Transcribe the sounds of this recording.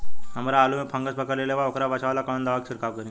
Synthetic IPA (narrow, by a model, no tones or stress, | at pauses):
aməɾaːlumepʰə̃ŋɡəsbəkəɾlelaʋaokɾaʋat͡ɕaʋlakaɭ̃und̪aɭəksiɾkaʋkəɾĩ